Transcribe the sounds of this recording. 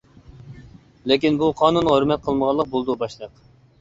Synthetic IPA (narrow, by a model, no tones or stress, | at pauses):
lekʲinbuqʰɑːnunʁøɾmɛt̪̚qʰəlˠməʁɑlˠːəq̚bolˠd̪ubɑʃlˠəq